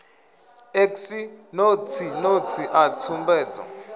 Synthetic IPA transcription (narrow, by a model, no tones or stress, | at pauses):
eksinotʰinot͡sʰiʔat͡sʰumbɛːt͡sa̰